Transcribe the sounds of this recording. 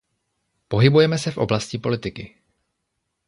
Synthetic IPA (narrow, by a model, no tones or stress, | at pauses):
po̞ɦɪbujɛmɛsɛfʔo̞blascipo̞lɪt̪ɪkɪ